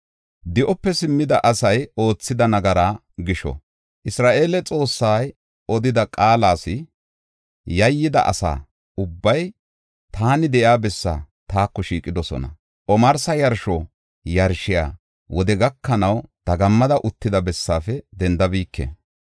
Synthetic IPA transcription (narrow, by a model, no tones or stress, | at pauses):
d̪ɪʔɔpːɛsɪmːɪd̪ɐʔɐsɐjo̞ːt͡sːɪd̪ɐnɐɡɐɾaː | ɡɪʃɔ̰ | ʔɪsɾaːʔe̞ːlɛt͡sʼo̞ːsːaːj | ɔd̪ɪd̪ɐkʼaːlaːsɪ | jɐjːɪd̪ɐ̰ʔɐ̰sa̰ː | ʊbːɐj | t̪aːnɪd̪ɛʔjaːbɛsːa̰ː | t̪aːkːɔʃiːkʼːɪd̪ɔsɔ̰nɐ̰ | ʔɔmɐɾsɐjɐɾʃɔ | jɐɾʃɪja̰ː | wɔd̪ɛɡɐkːɐnɐwt̪ɐɡɐmːɐd̪ɐʔʊt̪ːɪd̪ɐbɛsːaːfɛd̪ɛnd̪ɐbiːkːḛ